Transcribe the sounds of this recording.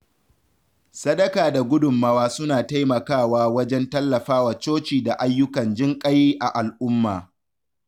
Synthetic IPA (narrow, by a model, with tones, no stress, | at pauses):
sɐ˦ɗɐ˦kaː˨da˨ɡʷʊ˦dʊ˨mːɐ˦waː˦sʊ˦naː˨ta˦jmɐ˨kaː˦˨waː˦wɐ˦d͡ʒɛ˦ntɐ˦lːɐ˨ɸaː˦wa˨t͡ʃoː˦t͡ʃiː˨da˨ʔa˦jːʊ˦kɐ˨nd͡ʒɪ˦ŋkʼɐ˦jiː˦ʔa˨ʔa˨lʔʊ˦mːaː˨